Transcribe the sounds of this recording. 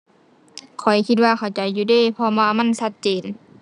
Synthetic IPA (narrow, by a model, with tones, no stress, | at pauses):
kʰɔ˨˩jkʰi˧t̪̚waː˧kʰa˨˩wt͡ɕa˨˩jːuː˧deː˧˨pʰɔ˧baː˧ma˧˥˨nsa˧˥t̪̚t͡ɕeː˨˩n